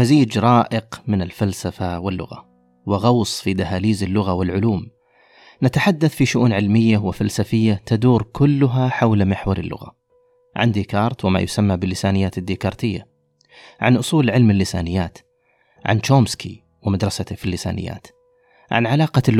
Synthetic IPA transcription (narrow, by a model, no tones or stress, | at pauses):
maziːd͡ʒɾˤɑːʔɪqmɪnɪlfalsafawɪlːʊ̰ɣa̰ | wɪɣɑwsˤfid̪aɦaːliːzɪlːʊɣawɪlʕʊluːm | nat̪aħad̪ːaθfiʃʊʔuːnʕɪlmɪjːawɪfalsafɪjːat̪ad̪uːɾkʊlːʊɦaħawlmɪħwɑɾˤɪ̰lːʊ̰ɣa̰ | ʕa̰nd̪iːkɑːɾˤt̪wɪma̰jʊsamːabɪlːɪsaːnɪjːaːt̪ɪd̪ːiːkɑːɾˤt̪ɪjːa̰ | ʕanʔʊsˤuːlʕɪlmɪlːɪsaːnɪjːaːt̪ | ʕa̰nt͡ʃoːmskḭ | wɪmad̪ɾˤɑsat̪afilːɪsa̰ːnɪ̰jːa̰ːt̪ | ʕa̰nʕalɑːqɑ